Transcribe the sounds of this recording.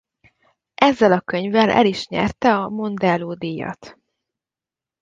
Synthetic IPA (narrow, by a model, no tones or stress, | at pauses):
ʔɛzːɛlɒkø̞ɲvɛlʔɛ̰liʃɲɛ̰rt̪ɛɒmo̞nd̪ɛloːd̪ijːɒ̰t̪